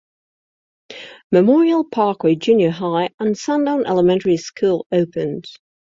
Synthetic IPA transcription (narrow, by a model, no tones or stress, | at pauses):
məmɔːɹiəlˠpʰɑˑkʰweɪd͡ʒʉːnjəɦaɪə̃nsãndãʊ̃nʔɛ̰ləmɛ̃ntəɹiskʰuːlˠəʊpʰə̃nd̥